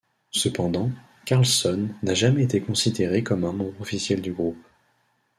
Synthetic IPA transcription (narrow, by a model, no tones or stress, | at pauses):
səpɑ̃d̪ɑ̃ | kaʁlsɔnːaʒamɛet̪ekɔ̃sid̪eʁekɔmɛ̃mɔ̃bʁɔfisjɛld̪yɡʁup